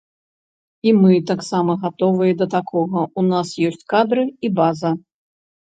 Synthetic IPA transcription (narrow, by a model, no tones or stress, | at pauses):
imɨt̪aksamɐɣat̪ɔvɨjɛd̪ɐt̪akʰɔɣɐunasjɔsʲt͡sʲkad̪ɾɨibazɐ